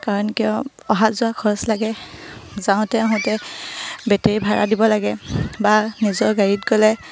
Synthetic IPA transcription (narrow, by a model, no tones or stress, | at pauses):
kaɹɔnkiɔ | ɔɦazʊakʰɔɹɔslaɡɛzãʊ̃tɛaɦʊ̃tɛ | bɛtɛɹibʱaɹa̰dibɔlaɡɛbanizɔɹɡaɹitkɔlɛ